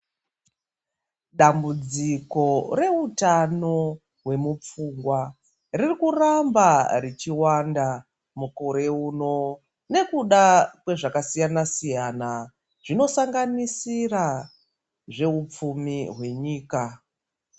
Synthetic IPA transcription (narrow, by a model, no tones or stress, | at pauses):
ɗambud͡ziko̞re̞utano̞ | ɦwe̞mup͡fuŋɡwa | ririkurambarit͡ʃiwanda | muko̞ɾe̞uːno̞ | ne̞kuɗakwe̞ʐakasijanasijana | ʐ̥ino̞saŋɡanisira | ʐe̞up͡fumiɦwe̞ɲiːka